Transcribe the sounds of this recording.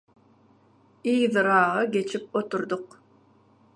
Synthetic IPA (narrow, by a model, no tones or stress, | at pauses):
ijðɨɾɑːʁɑɡʲet͡ʃʰip̚ot̪uɾd̪ʊq